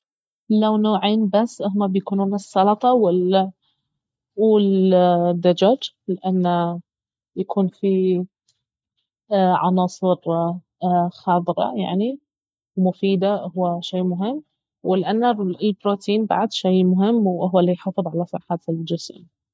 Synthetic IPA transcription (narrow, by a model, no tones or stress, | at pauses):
lawnoːʕeːnbasːʔhʊmːabjakuːnuːnɪsːɑlɑt̪ˤɑwɪlːa | wɪld̪ːad͡ʒad͡ʒ | lɪʔanːa | jakʰuːnfi | ʕɑ̰nɑːsˤɨɾ | xɑːt̪ˤɨɾɑ̰ja̰ʕni | wmʊfiːd̪ahʊwːaʃeːmʊɦɪmː | wɪlʔanːaɪlbɾoːt̪iːnba̰ʕd̪ʃejmʊɦɪmːwɦʊwːalːijħɑfɨðˤʕalasˤɑħaːt̪ld͡ʒɪsḭːn